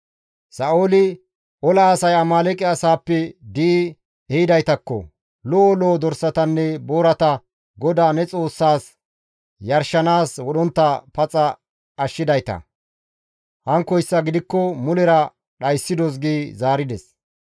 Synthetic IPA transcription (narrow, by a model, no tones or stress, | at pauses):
sɐʔoːlɪ | ʔɔlaːsɐjɐmaːlɛkʼɛɐsaːpːɛd̪iː | ɛhɪd̪ɐjt̪ɐkːɔ̰ | lɔɔloːd̪ɔɾsɐt̪ɐnːɛboːɾɐt̪ɐ | ɡɔd̪aːnɛt͡sʼo̞ːsːaːs | jɐɾʃːɐnaːswɔɗɔnt̪ːɐpɐt͡sʼɐ | ɐʃːɪd̪ɐjt̪ɐ̰ | hɐŋkɔjsːɐɡɪd̪ɪkːɔmʊlɛɾɐ | ɗɐjsːɪd̪ɔs̬ɡeːzaːɾɪd̪ɛs